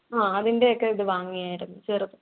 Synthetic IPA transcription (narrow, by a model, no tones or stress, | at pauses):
aːɐðinde̞okːe̞iðɨʋaːŋːijaːjiɾunːut͡ɕeːrɐt̪ːɨ̥